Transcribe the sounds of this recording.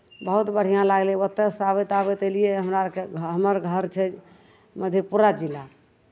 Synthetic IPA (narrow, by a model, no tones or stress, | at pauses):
bəɦut̪bəɽ̤ijãlaɡleət̪ːesabet̪aβet̪elijeɦəmɾakeɦəməɾɡʱəɾt͡ʃʰɛd͡ʒ | məd̪ʱjepuɾad͡ʒila